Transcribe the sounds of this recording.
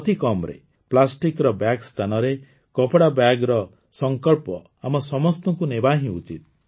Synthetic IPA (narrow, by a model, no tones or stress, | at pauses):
ɔt̪ʰikɔmɾḛ | plasʈikɾɔbjaɡst̪ʰanɔɾe | kɔpɽabjaɡɾɔ | sɔŋkɔɭpɔ | amɔsɔmɔst̪ɔŋkunebaɦĩut͡ʃit̪̚